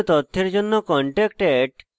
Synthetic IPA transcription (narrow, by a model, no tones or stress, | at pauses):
t̪ɔt̪ʰːeɾd͡ʑonːokɔɳʈek̚ʈeɖ